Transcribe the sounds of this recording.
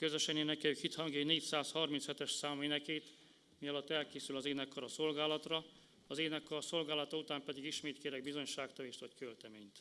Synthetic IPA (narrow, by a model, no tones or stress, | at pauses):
køzøʃɛneːnɛkːɛykhit̪hɒŋɡeneːcsaːshɒrminshɛt̪ɛʃsaːmeːnɛkeːt̪ | mijɒlɒt̪ːɛlkeːsylɒzeːnɛkːɒɾɒso̞lɡaːlɒt̪rɒ | ɒzeːnɛkːɒɾso̞lɡaːlɒt̪ɒut̪aːmpɛd̪iɡiʃmeːt̪keːɾɛɡ̚bizo̞ɲʃaːkt̪ɒveːʃt̪vɒckølt̪ɛmeːɲt̪